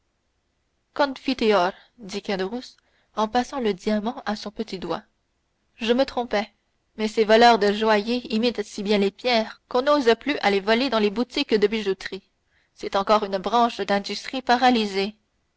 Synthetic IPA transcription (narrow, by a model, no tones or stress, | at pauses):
kɔ̃nfit̪eɔɾ | d̪ikad̪əʁus | ɑ̃pasɑ̃ləd̪iamɑ̃ʔasɔ̃pət̪id̪wa̰ | ʒəmət̪χɔ̃pɛ | mɛsevɔlœʁd̪əʒwajeimit̪sibjɛ̃lepjɛːʁkɔ̃nozəplyʔalevɔled̪ɑ̃lebut̪ikːəd̪əbiʒut̪ʁi | sɛt̪ɑ̃kɔʁynbʁɑ̃ʃd̪ɛ̃d̪yst̪χipaʁalize